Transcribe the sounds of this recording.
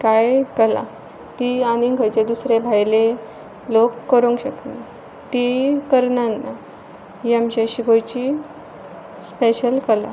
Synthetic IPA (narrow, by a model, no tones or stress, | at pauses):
kajkəla̰ | t̪ianiŋɡʱəjt͡ɕed̪usɾebʱajle | lokːəɾũŋɡɕəkne | t̪ikəɾnanːa | iamɕeɕiɡojt͡ɕi | speɕəlkəla̰